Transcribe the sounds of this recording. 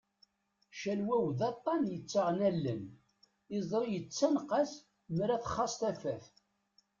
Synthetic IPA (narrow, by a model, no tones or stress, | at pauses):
ʃælwæwðɑt̪ˤːɑnjət͡sːaʁnælːə̰n | ɪzˤɾˤijət͡sːænqas | mɾæθχːɑsˤt̪æfæθ